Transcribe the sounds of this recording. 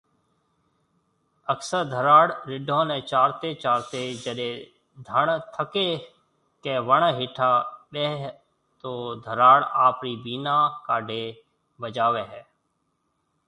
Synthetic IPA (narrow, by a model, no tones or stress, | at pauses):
əksəɾd̪ʱəɾaːɽɾɪɖʱõːnẽt͡ʃaːɾt̪et͡ʃaːɾt̪ed͡ʒəɾe | d̪ʱəɳt̪ʰəke | keʋəɳ̃ɦɪʈʰaːɓeːɦ | t̪oːd̪ʱəɾaːɽaːpɾibiːnakaːɖʱeː | bəd͡ʒaːʋeɦɛː